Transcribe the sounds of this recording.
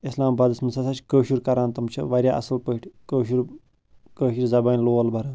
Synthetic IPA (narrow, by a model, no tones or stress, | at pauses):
islaːmbaːd̪ɐsmɐnsɐsat͡ʃʰʲkəːʃuɾkɐɾaːnt̪ɐmt͡ʃʰɐ̰ʋɐɾʲjaːʔɐ̰sɐlpəʈʰʲkəːʃuɾ | kəːʃiɾʲzɐbaːnʲloːɐlbʱɐɾaːn